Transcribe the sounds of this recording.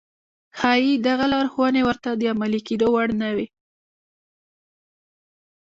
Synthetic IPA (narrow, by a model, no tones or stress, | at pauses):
xɑjid̪aɣalɑɾxwənewəɾt̪ad̪əamaliked̪owaɽnawi